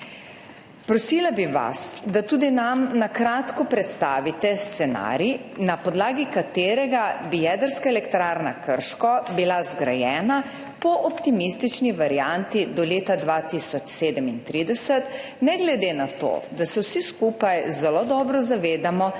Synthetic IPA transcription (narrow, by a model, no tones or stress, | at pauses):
pɾɔsilabiʋa̰sd̪at̪uːd̪inamnakɾaːt̪kɔpɾɛt̪st̪a̰ːʋit̪ɛst̪sɛna̰ːɾinapɔd̪laːɡikat̪eːɾɛɡabijɛːd̪əɾskaɛlɛkt̪ɾaːɾnakəɾʃkɔbilazɡɾa̰jɛːna | pɔʔɔpt̪imist̪it͡ʃniʋaɾijant̪id̪ɔleːt̪ad̪ʋaːt̪isɔt͡ʃseːd̪əmint̪ɾid̪ɛsɛt̪ | nɛɡlɛd̪enat̪o̰d̪asɛwsiskuːpajzɛlod̪ɔːbɾɔzaʋeːd̪amɔ